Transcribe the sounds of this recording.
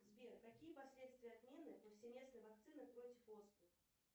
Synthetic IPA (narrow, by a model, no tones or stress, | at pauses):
zʲbʲɛrk̪akʲijɛpasʲlʲɛt̪st̪vʲijɛad̪mʲenɨpɐwsʲemʲesnɨjvak̚t̪sɨnɨpɾɔt͡sʲifɔsbux